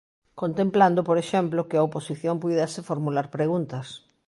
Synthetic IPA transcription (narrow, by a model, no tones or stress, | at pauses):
kont̪empland̪opoɾeʃɛmplokɪɐoposiθjompujðasɪfoɾmulaɾpɾeɣunt̪ɐs